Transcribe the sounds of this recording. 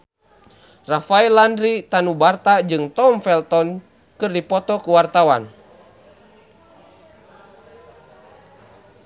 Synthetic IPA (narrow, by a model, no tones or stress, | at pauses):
rafaɛlandɾit̪anubart̪ad͡ʒɨŋt̪ɔmfɛlt̪ɔn | kɨrdipɔt̪ɔkuwart̪awan